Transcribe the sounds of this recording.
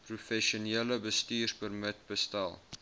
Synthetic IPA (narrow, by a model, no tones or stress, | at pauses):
prufɛʃuniələbəstyːrspərmət̚bəstæ̰lˠ